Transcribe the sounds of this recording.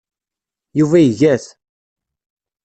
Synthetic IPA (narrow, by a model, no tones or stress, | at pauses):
juvæjəʝæθ